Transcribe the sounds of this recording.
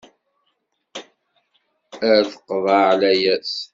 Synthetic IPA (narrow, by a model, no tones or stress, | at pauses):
əɾθə̥qːvaʕlæjæs